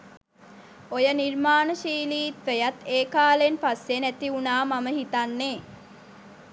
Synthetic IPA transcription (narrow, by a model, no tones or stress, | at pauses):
ojənirmaːnəʃiːliːt̪ʋejat̪eːkaːlenpasːenæt̪iunaːmaməɦit̪anːeː